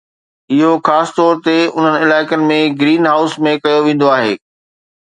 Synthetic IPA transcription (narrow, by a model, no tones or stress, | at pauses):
ɪɦoxaːsɪ̥t̪ɔːɾt̪eʊn̤ənɪɪlaːɪkənɪ̆mẽɡɾiːnɦaːʊsmẽkɐjoʋẽːn̆d̪oaːɦḛː